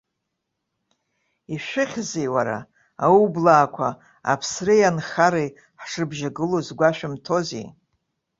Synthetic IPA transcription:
iʃʷᶣɪχʲzejwaɾa̰ | aublaːkʷʰa | a̰pʰsrejanχaɾej | ħʂɨrbʒaɡɨlozɡʷaʃᶣɪmtʰo̞zḛj

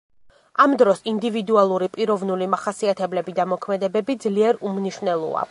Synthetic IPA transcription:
amd̪ɾɔsind̪ivid̪ualˠuɾipʼiɾɔvnulimaχasiat̪ʰɛblɛbid̪amɔkʰmɛd̪ɛbɛbid̪zliɛɾumniʃvnɛlˠṵa̰

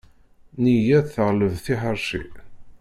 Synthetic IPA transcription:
nijæθθəʁləvθiħəɾˤʃḭ

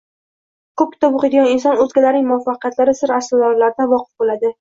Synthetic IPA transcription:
kʰɵp̚kʰʲɪ̥t̪ʰɒbʊqed̪ɪɡɒnɪns̬ɒnɵzɡʲalaɾnɪŋʲmʊafːaqijat̪laɾɪsɪɾaslɒd̪ɒɾlaɾɪd̪anvɒqʰɨ̥fbolad̪ɪ

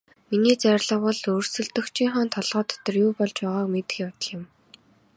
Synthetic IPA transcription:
miniːt͡særɮə̆χɔ̆ɮɵːrsɵ̆ɮt̪ɵ̆xt͡ɕʰiːŋχaːnt̪ʰɔɮʁɔːt̪ʰɔ̥t̪ɞ̆rjuːpɔɮt͡ɕpæːʁaːkmet̪ɘ̥̆xʲjawt̪ə̆ɮɪ̆m

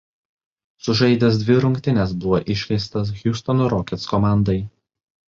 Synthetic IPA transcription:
sʊʒɐɪd̪ʲɛs̬d̪ʲʋʲɪɾʊŋʲkt̪ʲɪnʲɛsbʊʋɔʔɪʃʲlʲɛɪst̪ɐs̬ɣʲjʊst̪ɔnʊɾɔkʲɛt̪skɔmɑˑnd̪ɐɪ

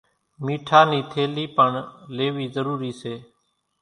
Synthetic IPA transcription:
miːʈʰaːniːt̪ʰeːliːpəɳleːʋiːzəɾuːɾiːseː

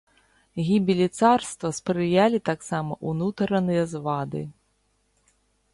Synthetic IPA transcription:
ɣʲibʲilʲit̪sarst̪vɐspɾɨjalʲit̪aksamɐ̰ʔunut̪ɾɐnɨjɐzvad̪ɨ̰

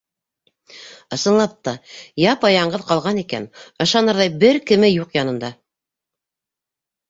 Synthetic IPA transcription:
ɤ̆sɤ̆nlˠɑp̚t̪ɑjɑpɑjɑɴɢɤðqɑlˠʁɑnikæ̰nɤ̆ʃɑnɤ̆ɾðɑjbɘɾkɘ̆mɘjuqjɑnɤ̆nd̪ɑ

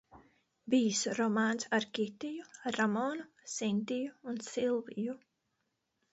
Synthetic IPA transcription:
biːsuɾɔmaːnsaɾkʲit̪ijuaɾːamɔːnu | sint̪ijuːnsilˠviju

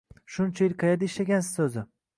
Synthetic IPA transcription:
ʃʊnt͡ʃʰajɪlqʰɑjad̪aɪʃlaɡʲansɪzsɵzɪ

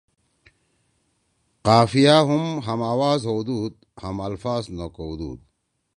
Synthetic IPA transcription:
qaːfijaɦumɦɐmaːwaːzɦod̪uːd̪̚ | hɐmɐlfaːznokoud̪ṵːd̪̚

